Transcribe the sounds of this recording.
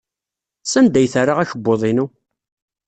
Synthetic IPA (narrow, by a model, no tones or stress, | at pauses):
sænd̪æjθarːaʁæçəbːoðˤinu